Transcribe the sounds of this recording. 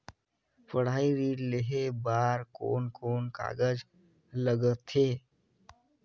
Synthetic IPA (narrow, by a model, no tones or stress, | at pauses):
pəɽ̤aːiɾiːɖleɦebaːɾko̰ːnkoːnka̰ːɡəd͡ʒ | ləɡət̪eː